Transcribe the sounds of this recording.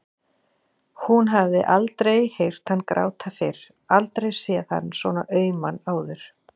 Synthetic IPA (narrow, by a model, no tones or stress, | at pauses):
hunɦavðɪ̰ʔalt̪ɾejhejr̥t̪hanːkɾa̰ːwt̪ʰafɪɾ̥ | alt̪ɾejsɛːaθa̰nːsvɔnaʔœːɥmanaːwðʏɾ̥